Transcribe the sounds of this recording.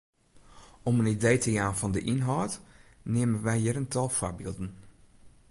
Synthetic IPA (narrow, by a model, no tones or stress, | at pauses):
ɔmənidejtəjaːnfɑndəʔɪnɦɔːtneːmənʋɛjɦiɾəntɑlˠfoɹbɪːlˠdən